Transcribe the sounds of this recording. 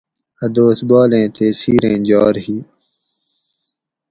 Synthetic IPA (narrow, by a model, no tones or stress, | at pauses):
ɐd̪oːsbaːlẽːt̪ʰeːsiːɾẽːd͡ʑaːɾhiː